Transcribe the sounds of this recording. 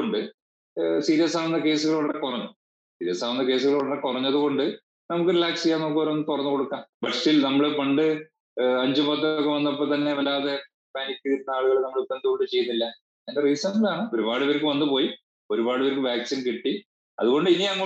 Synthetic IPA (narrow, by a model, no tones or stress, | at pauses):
oɳɖɨ | siːɾijɐsaːʋunːɐke̞ːsuɣɐɭuʋɽɐɽekurɐɲːu | sḭːɾijɐsaːʋunːɐke̞ːs̬uɣɐɭʋɽɐrekurɐɲːɐðɨɣo̞ɳɖɨ | nɐmukːɨɾilaːksejaːnɐmukːɨʋɐɾɐɐnːɨt̪urɐɲːɨko̞ɽukːaːmbɐʈsilnɐmːɐɭɨpɐɳɖɨ | ɐɲd͡ʑupɐt̪ːɐkːeʋɐnːɐpːɐt̪ɐnːe̞ʋɐlaːðe̞ | paːnikʲːɨiɾunːɐaːɭuɣɐɭnɐmːɐɭupːend̪ukoɳɖɨt͡ɕe̞junːilːɐ | einderiːsɐmblaːɳɨo̞ɾubaːɽuʋɐɾkːɨʋɐnːupo̞ːji | o̞ɾubaːɽɨʋɐɾkːɨʋaːksinkiʈːi | ɐ̰ðuɣo̞ɳɖɨiniɐŋːɐ